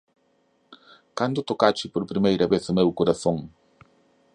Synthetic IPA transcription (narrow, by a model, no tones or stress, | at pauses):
kand̪ʊt̪okat͡ʃɪpoɾpɾimejɾɐβeθʊmewkoɾaθõŋ